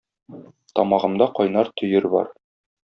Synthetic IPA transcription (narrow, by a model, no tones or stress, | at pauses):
t̪ɒmɑʁɤ̆md̪ɑqɒjnɑɾt̪ʰɵ̆jɘɾbɒ̰ɾ